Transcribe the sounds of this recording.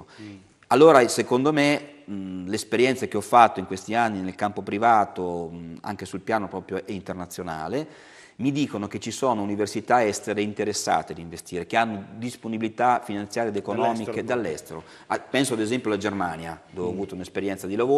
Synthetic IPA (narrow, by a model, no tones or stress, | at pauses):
alːoːɾasekond̪ome | lespeɾjɛnt̪sek̟eɔfːat̪ːoiŋkwest̪ianːinelkampopɾivaːt̪oa̰ŋkesulpjaːnopɾɔːpɾjoʔint̪ernat̪sːjona̰ːle | mid̪iːkonok̟et͡ʃisoːnouniversit̪aɛst̪eɾeint̪eɾesːa̰ːt̪ed̪iɱvest̪iːɾekeanːod̪isponibilit̪afinant̪sjaːɾed̪ekonɔːmiked̪alːɛst̪eɾo | apɛnsoad̪ezɛmpjoalad͡ʒermaːnjad̪ɔvavuːt̪aunespeɾjɛnt̪sad̪ilavoː